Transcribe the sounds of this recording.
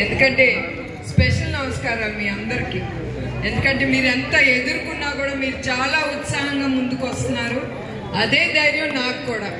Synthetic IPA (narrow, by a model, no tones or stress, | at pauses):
end̪ukɐɳʈe̞ː | speʂɐlnɐʋɐskaːɾaːlmiːɐnd̪ɐɾikiː | e̞nd̪ukɐɳʈe̞ːmiːɾent̪aːe̞d̪uɾukunːaːkuːɽaːmiːɾut͡ʃaːlaːut̪saːɦɐŋɡaːmund̪ukʋɐst̪unːaːɾu | ɐd̪e̞ːd̪ɐjɾjɐnaːkukuːɽaː